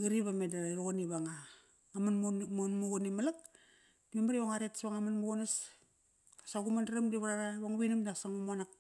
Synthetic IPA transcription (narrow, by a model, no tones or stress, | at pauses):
ɡiɾiβamedaɾuɣoniβaŋaː | manmonmuɡonimalak̚ | diemaɾioŋaɾetsβaŋamanmuɡonas | asaɡumandaɾamdiβaɾaɾaβaŋβinamdasaŋumuanak̚